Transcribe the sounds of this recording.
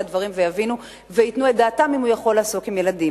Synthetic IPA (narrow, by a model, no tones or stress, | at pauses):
advaʁimvejavinu | veitnued̪aːtamimujaχo̞laːso̞kimjeladim